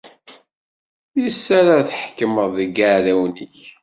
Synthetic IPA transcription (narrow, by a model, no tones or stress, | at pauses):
jisːæɾaθħkːəməðˤəɡaʕðæwniç